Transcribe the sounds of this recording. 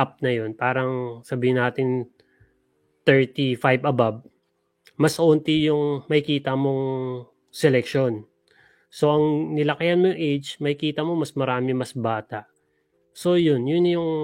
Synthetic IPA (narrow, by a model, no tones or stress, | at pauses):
ap̚nɐjo̞npaːɾɐŋsɐbiːhɪnaːt̪ɪn | t̪ɛɹt̪ifajbɐbab̚ | mɐsʔoːnt̪ɪjʊŋmɐhɪkiːt̪ɐmo̞ŋ | sɛlɛk̚ʃo̞n | so̞ʔɐŋnɪlɐkɪjɐnmojʊŋʔejd͡ʒmɐhɪkiːt̪ɐmo̞mɐsmɐɾaːmɪmɐsbaːt̪ɐʔ | so̞jʊnjʊnjʊŋ